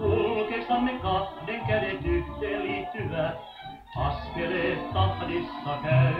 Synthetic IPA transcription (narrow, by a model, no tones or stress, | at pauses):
kulkesɑnːekɑhdeŋkædet̪ykt̪eːlliːt̪ːyʋæt̪ | ɑskeleːtt̪ɑpdisːɑkæy